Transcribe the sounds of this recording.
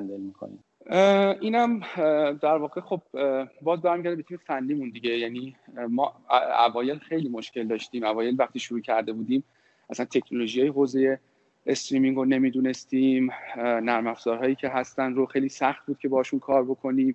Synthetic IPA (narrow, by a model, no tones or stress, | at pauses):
ænd̪elmikʰo̰nḭm | iːnæmd̪æɾvɒːɣe̞xo̞b̥̚bɒːzbæɾmiɟæɾd̪ebet̪ʰiːmefænːiːmund̪iɟe̞jæniːmɒːæ̰vɒːje̞lxejliːmo̞ʃce̞ld̪ɒːʃt̪iːmævɒːje̞lvæxt̪iːʃuɾuːcʰæɾd̪e̞buːd̪iːm | ʔæsænt̪ʰe̞cʰno̞lo̞ʒijɒːjeɦoːze̞je̞ | est̪ɾiːmiŋɡone̞miːd̪uːne̞st̪iːmnæɾmæfz̥ɒːɾɦɒːjiːcʰe̞ɦæst̪ænɾoxejliːsæxt̪̚buːd̪̥̚cʰe̞bɒːhːʃunkʰɒːɾbo̞kʰo̞niːm